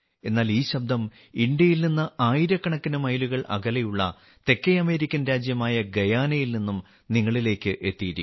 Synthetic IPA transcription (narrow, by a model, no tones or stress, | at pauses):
e̞nːaːliːɕɐb̚d̪ʱɐm | iɳɖjɐjilninːɐaːjiɾɐkːɐɳɐkːinɐmɐjluɣɐɭʔɐ̰ɣɐlɐjuɭːɐ̰ | t̪e̞kːɐjɐme̞ːɾikʲːɐnɾaːd͡ʑjɐmaːjɐɡɐjaːnɐjilninːum | niŋːɐɭile̞ːkːɨʔe̞t̪ːijiɾikː